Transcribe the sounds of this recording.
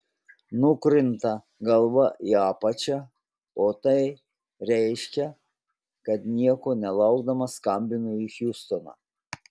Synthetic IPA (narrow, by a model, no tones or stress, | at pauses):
nʊkɾʲɪnt̪ɐ | ɡɐlˠʋɐʔiɑːpɐt͡ʃʲɛ | oːt̪ɐɪ | ɾʲɛɪʃʲkʲɛ | kɐt̪nʲiɛkoːnʲɛlˠɐʊɡd̪ɐmɐskɐmʲbʲɪnʊixʲjuːst̪onɑ̰ː